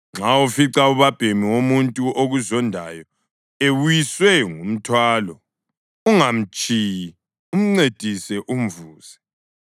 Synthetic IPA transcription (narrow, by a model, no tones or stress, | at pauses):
ŋ͡ǁaufiǀauβab̥ʱemiwomuntʼuʔoɣuzɔndʱa̰jɔ | ewujiswɛŋum̩tʰwaːlɔ | uŋam̩t͡ʃʼij | um̩ŋ͡ǀed̥ʱisɛʔum̩vuːz̥ɛ